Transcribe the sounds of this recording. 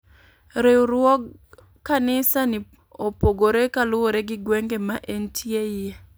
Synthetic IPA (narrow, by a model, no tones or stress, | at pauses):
ɾeuɾwɔɡ | kːanɪsani | opoɡoɾekalʊwoɾeɡɪɡweŋɡemaʔentʰjeɪje